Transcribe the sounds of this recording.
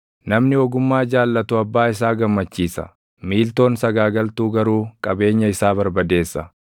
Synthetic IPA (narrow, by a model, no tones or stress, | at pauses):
nɐmnɪɔɡʊmːaːd͡ʒaːlːɐt̪ʊɐbːaːɪs̬aːɡɐmːɐt͡ʃːiːsɐ̰ | miːlt̪o̞ːnsɐɡaːɡɐlt̪uːɡɐɾuːkʼɐbe̞ːɲːɐɪsaːbɐɾbɐd̪e̞ːsːɐ